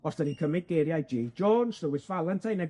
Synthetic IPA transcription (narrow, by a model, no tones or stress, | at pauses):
ɔsd̥əɾikʰəmɪd̚ɡ̥eːɾjajd͡ʒiːd͡ʒɔːnsrəwɪsv̥alˠɛntʰajnɛ